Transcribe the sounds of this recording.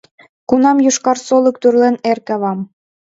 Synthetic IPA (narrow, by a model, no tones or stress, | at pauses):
kunɑmjuʃkɑrsolə̆k̚t̪yrlenerkɑβɑm